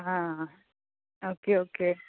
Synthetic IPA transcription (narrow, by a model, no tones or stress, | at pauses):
ɦã | okeoke